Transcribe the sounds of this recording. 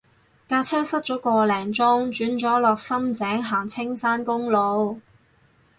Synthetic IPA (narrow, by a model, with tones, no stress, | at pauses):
kaː˧˥t͡sʰɛː˥sɐ˥t̚t͡sɔː˨˥kɔː˧lɛː˨˩ŋt͡sɔː˥ŋt͡ʃyː˨˥nt͡sɔː˨˥lɔː˨k̚sɐ˥mt͡sɛː˨˥ŋɦaː˨˩ŋt͡sʰɪ˥ŋsaː˥nkʊ˥ŋlo˨˧w